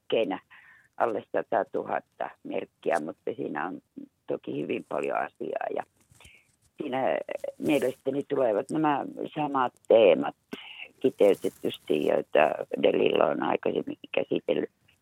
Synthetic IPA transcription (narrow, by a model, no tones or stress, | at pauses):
keinæ | ʔɑlːessɑt̪ɑt̪uhɑt̪ːɑmḛrkːiæmut̪ːɑsḭːnæont̪okihyʋimpɑljo̰ɑsḭɑ̰ːjɑ̰ | siːnæmielest̪ænit̪uleˑʋɑt̪næmæsɑmɑt̪teːmɑt̪kit̪eyt̪et̪ːyst̪ijjo̰et̪ːɑdelḭlːæonɑikɑsemːikikæsit̪elːy